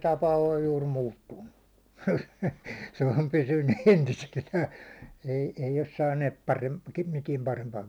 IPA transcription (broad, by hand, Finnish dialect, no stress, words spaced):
tɑpɑ oj juːr muːtːunːu se om pysynːy entiselːæː ei ei os sɑːnːet pɑrem mitiɛm pɑrempɑːŋ